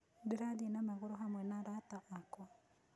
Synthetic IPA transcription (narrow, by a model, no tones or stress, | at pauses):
diɾadinamaɣʊɾoɦamwɛnaɾataʔakɔ